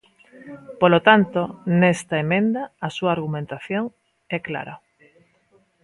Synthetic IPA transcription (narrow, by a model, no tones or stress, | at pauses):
polot̪ant̪onɛst̪aemẽnd̪aːsuaːɾɣumẽnt̪aθjoŋ | ɛkla̰ɾa̰